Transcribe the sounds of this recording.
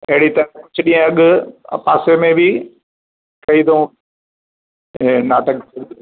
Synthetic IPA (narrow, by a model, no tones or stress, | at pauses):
ɐɦɪɽit̪ɐɾ̃kʊd͡ʒʰɪɗĩːə̃ɐɠ̰paːsemẽbɪ | kɐid̪õ | naːʈək̚tʰɐd̪